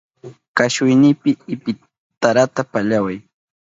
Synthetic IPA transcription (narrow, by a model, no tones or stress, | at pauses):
kaʃʊjnɪpɪɪpɪ | t̪aɾat̪apaʎawaj